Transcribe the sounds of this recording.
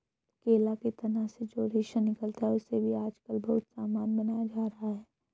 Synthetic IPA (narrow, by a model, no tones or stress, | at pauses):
keːlaket̪ɐnased͡ʒoːɾiʃənɪkəlt̪aɦɛʊsebʱiaːd͡ʒkəlbɐɦʊt̪saːmaːnbɐnaːjad͡ʒaːɾɐɦaɦɛː